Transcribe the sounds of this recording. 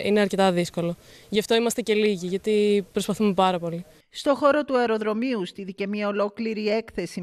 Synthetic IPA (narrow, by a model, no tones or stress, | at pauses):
ineɐɾce̞t̪ɐðisko̞lo̞ | ʝɐft̪o̞imɐst̪e̞ce̞liʝiʝɐt̪ipɾospɐθume̞pɐɾɐpo̞li | st̪o̞xo̞ɾo̞t̪uɐeɾo̞ðɾo̞miust̪iðice̞mɲɐo̞lo̞kliɾie̞kθe̞si